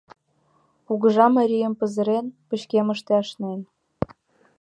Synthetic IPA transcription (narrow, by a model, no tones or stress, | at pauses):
puɣə̆ʒɑmɑɾʲijəmpə̆zə̆ɾenpə̆ɕkeməʃt̪eɑʃnen